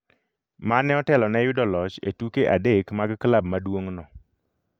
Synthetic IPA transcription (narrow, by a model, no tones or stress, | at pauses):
manːɛɔtɛlɔnɛjʊdɔlɔt͡ʃḛtukeʔa̰dekmaɡklabmadwoŋnɔ